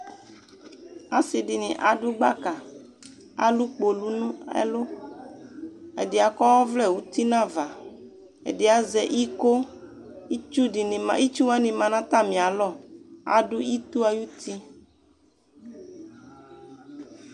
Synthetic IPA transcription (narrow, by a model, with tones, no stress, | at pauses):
a˨si˨di˨nḭ̃˨ʔa˨ɖʊ˦ɡ͡ba˦ka˨ | a̰˨lu˦k͡po˨lu˦nũ˦ḛ˦lo˦ | e˨di˨a˨kɔ˦wɔ˦vlɛ˦˨wu˦t̪i˦nã˦va˨ | ḛ˨di˨a˨zɛ˨ʔi˦ko˦ | i˦t͡ʃu˦di˨nĩ˨ma˨˦i˦t͡ʃu˦wa˦nĩ˨mã˨nã˦t̪a˦mĩ˨a˨lɔ˦˨a̰˨ɖʊ˦i˦t̪u˦a˦ju˦t̪ʰi˦